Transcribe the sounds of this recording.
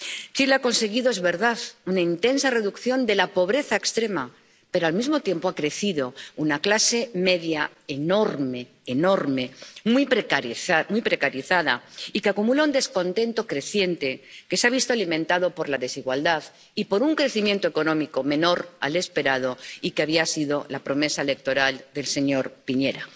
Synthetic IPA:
t͡ʃilako̞nse̞ɣiðo̞ezβe̞ɾðaðunaint̪e̞nsare̞ðukθjo̞nd̪e̞lapo̞β̞ɾe̞θaekst̪ɾe̞ma | pe̞ɾoalmizmo̞t̪jempoakɾe̞θiðo̞unaklase̞me̞ðja | eno̞ɾme̞ːno̞ɾme̞mwipɾekaiamwipɾe̞kaɾiθaða̰ikeakumulound̪e̞skõ̞nt̪e̞nt̪o̞kɾe̞θje̞nt̪e̞ke̞seaβ̞ist̪oalimẽ̞nt̪aðopo̞ɾlaðe̞siɣwald̪að | ipo̞ɾuŋkɾe̞θimje̞nt̪oeko̞nõ̞miko̞mẽ̞no̞ɾa̰le̞spe̞ɾað̞o̞ikeaβiasiðo̞lapɾo̞me̞saele̞k̚t̪o̞ɾald̪e̞lse̞ɲo̞ɾpiɲe̞ɾa

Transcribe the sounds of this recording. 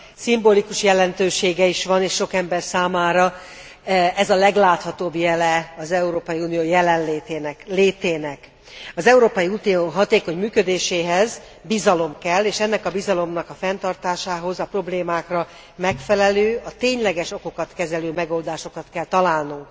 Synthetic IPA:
simbolikuʃjɛlɛnt̪øːʃeːɡɛiʃʋɒneːʃːo̞kɛmbɛrsaːmaːɾɒ | ɛzɒlɛɡlaːt̪hɒt̪oːbjɛlɛɒzɛuɾoːpɒjiuːnijoːjɛlɛnleːenleːt̪eːnɛk | ɒzɛuɾoːpɒjiuːnijoːɦɒt̪eːko̞ɲmyːkø̞d̪eːʃeːɦɛz | bizɒlo̞mkɛlːeːʃɛnːɛkɒbizɒlo̞mnɒkɒfɛnt̪ɒrt̪aːʃaːɦo̞zɒpro̞bleːmaːkrɒ | mɛkfɛlɛløːɒt̪eːɲlɛɡɛʃo̞ko̞kɒt̪kɛzɛløːmɛɡo̞ːld̪aːʃo̞kɒt̪kɛlt̪ɒlaːlnuŋk

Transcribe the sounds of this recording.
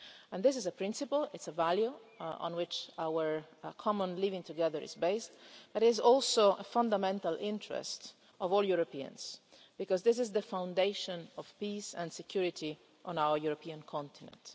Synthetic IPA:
ɛ̃nd̪ɪs̬ɪzəpɹɪ̃nsɪpəlɪtsəvæljuɔ̰̃nwɪt͡ʃawəɹkʰɔmə̃nlivɪ̃ŋt̪uɡɛðə˞ɪ̰zbeɪstb̥ʌɾɪɪzɔlsoʔəfʌ̃nd̪amɛ̃nt̪alʔɪ̃ntɹɛ̰st | ɔvɔljuɾopiə̰̃nz̥ | b̥ikɔzðɪs̬ɪzðəfãw̃ndeɪʃɔ̃nɔv̥pisɛ̃nsɛkʰj̥uɹɪtʰi | ʔɔ̃nawə˞juɾopʰiãnkʰɔ̃nt̪ʰɪnɛ̰̃nt

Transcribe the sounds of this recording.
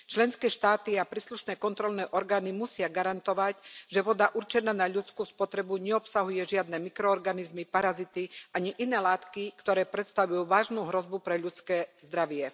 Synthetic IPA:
t͡ʃlɛnskɛːʃt̪aːt̪iapɾiːsluʃnɛːkɔnt̪ɾɔlnɛːʔɔɾɡaːnimusɪaɡaɾant̪ɔʋacʒɛʋɔd̪aʔuɾt͡ʃɛnaːnaʎut͡skuːspɔt̪ɾɛbuɲɛɔpsaɦujɛʒɪad̪nɛmikɾɔɔɾɡanizmipaɾazit̪iʔaɲiʔinɛːlaːt̪kikt̪ɔɾɛːpɾɛt̪st̪aʋujuːʋaːʒnuːɦɾɔzbupɾɛʎut͡skɛːzd̪ɾaʋɪɛ

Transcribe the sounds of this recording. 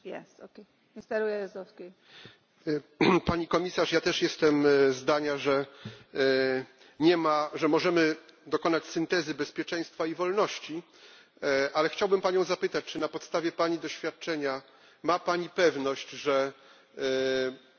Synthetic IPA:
jɛsoke | mɪst̪ɛɾujɛjzd̪ɔske | paɲikɔmʲisaʂjat̪ɛʂjɛst̪ɛmzd̪aɲaʐɛ | ɲɛmaʐɛmɔʐɛmɘd̪ɔkɔnat͡ɕsɘnt̪ɛzɘbɛspʲjɛt͡ʂɛ̃j̃st̪faivɔlnɔɕt͡ɕi | ʔalɛxt͡ɕawbɘmpaɲɔ̃w̃zapɘt̪at͡ɕt͡ʂɨnapɔt̪st̪avʲjɛpaɲid̪ɔɕfʲjat̪̚t͡ʂɛɲa | mapaɲipɛvnɔɕt͡ɕʐɛ

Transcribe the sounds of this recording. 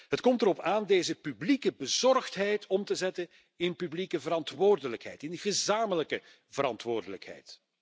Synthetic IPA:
ɦətkɔmtəɾɔpaːndeːzəpyblikəbəzɔrxtɦɛjtɔmtəzɛtən | ɪnpyblikəvəɾɑntʋoːrdələkɦɛ̰jtɪndəɣəzaːmələkə | vəɾɑ̰ntʋoːrdələkɦɛ̰jt

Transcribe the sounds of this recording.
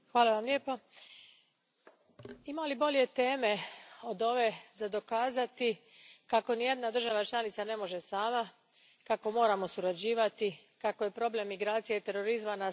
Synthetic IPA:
xʋaːlaʋamlje̞ːpo | imaolibo̞ʎe̞t̪e̞ːme̞o̞d̪o̞ʋe̞zad̪o̞kaːzat̪ikako̞nije̞d̪nad̪ɾr̩ʒaʋat͡ʃlˠanit̪sane̞mo̞ʒe̞saːma | kako̞mo̞ːɾamo̞suɾad͡ʑiːʋat̪ikakoje̞pɾo̞ble̞mːiɡɾaːt̪sijeit̪e̞ɾo̞ɾizmana

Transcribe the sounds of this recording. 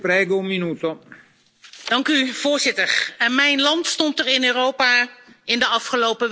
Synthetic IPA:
pɾɛːɡoumminuːt̪o | d̥ɑŋkyv̥ʊːɹzɪtəɹɛnmɛjnlɑntstɔntəɹɪnøːrowpaɪndəɑfχəlowpəʋ

